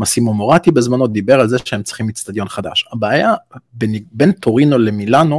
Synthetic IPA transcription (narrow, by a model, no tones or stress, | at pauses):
masimomoʁatibezmanod̪ibe̞ʁalzeʃeemt͡si̥χimit͡st̪ad̪jo̞nχad̪a̰ʃabeːjabenbe̞nt̪oʁino̞le̞milano̞